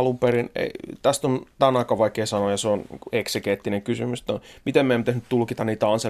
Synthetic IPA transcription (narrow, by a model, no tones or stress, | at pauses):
lumperinḛit̪æst̪ont̪ænɑikːɑʋʋɑikeːsɑnojɑseonḭŋkueksekeːˑt̪ːineŋkysymyst̪ːˑomit̪emmæemːt̪æsnyt̪t̪ulkit̪ɑniːt̪æɑnse